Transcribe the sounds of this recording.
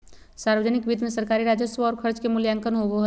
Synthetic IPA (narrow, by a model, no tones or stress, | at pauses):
saːɾʋəd͡ʒənɪkbiːd̪mẽsəɾkaːɾiɾaːd͡ʒəsʋaɔːɾkʰəɾd͡ʒkemʊljãŋkənɦoʋoɦ